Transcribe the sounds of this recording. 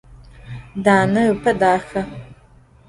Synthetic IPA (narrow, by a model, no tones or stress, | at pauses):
daːnɐɨpʰɐdaːxɐ